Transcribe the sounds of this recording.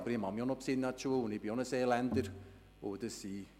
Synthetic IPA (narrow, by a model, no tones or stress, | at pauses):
bəɾimamjɔnɔpsɪnːat͡ʃuəlʊnibiɔnəseːlɛndəɾ | oːdəsi